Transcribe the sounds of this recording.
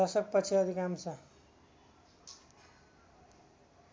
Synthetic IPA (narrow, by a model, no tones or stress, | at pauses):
ʌsʌk̚pʌt͡sʰiʌd̪ʱikamsʰʌ